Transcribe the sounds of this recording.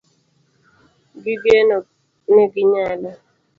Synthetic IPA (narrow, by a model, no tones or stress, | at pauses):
ɡɪɡje | neɡɪɲalɔ